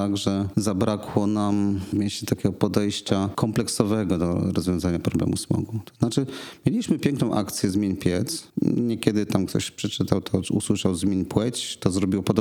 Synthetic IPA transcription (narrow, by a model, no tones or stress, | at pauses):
aɡʐɛzabɾakʰwɔnamvmʲjeɕt͡ɕɛt̪akʲɛɡɔpɔd̪ɛjɕt͡ɕakʰɔmplɛksɔvɛɡɔd̪ɔ̰ɾɔzvʲjɔ̃w̃zaɲapɾɔblɛ̰musmɔ̰ɡut̪ɔ̥z̥nat͡ʂɘmʲjelʲiɕmɘpʲjɛŋknɔ̃w̃ʔa̰kt̪sʲjɛzmʲiɲpʲjɛt̪sɲɛkʲɛd̪ɘt̪amkt̪ʰɔ̰ɕpʂɛt͡ʂɘt̪awt̪ʰɔṵswɘʂawzmʲiɲpwɛt͡ɕt̪ɔzɾɔbʲiwɔpɔd̪ɔ